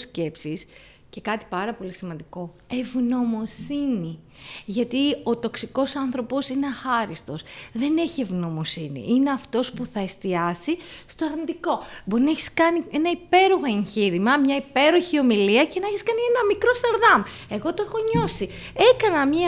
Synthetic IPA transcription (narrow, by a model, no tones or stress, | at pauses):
sce̞psis | ce̞kɐt̪i̥pɐɾɐpo̞lisimɐnd̪iko̞ | e̞vno̞mo̞sini | ʝɐt̪io̞t̪o̞ksiko̞sɐnθɾo̞po̞sineɐxɐɾist̪o̞sðe̞ne̞çie̞vno̞mosinḭʔineɐft̪o̞spuθɐe̞st̪iɐsist̪o̞ɐɾnit̪iko̞bo̞ɾinɐeçi̥skɐnie̞nɐipe̞ɾuɣoeɲçiɾimɐmɲɐipe̞ɾoçio̞miliɐcenɐeçiskɐnie̞nɐmikɾo̞st̪ɐɾðɐm | e̞ɣo̞t̪oe̞xo̞ɲo̞si | e̞kɐnɐmɲ